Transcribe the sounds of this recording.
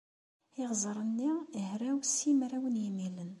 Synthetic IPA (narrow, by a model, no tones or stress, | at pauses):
iʁzˤɾˤənːihɾæwsːimɾæwənjimilən